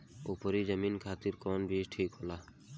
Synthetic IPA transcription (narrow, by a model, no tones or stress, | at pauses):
opɔɾizəminkʰat̪iɾkɔnbiʃʈʰikɦola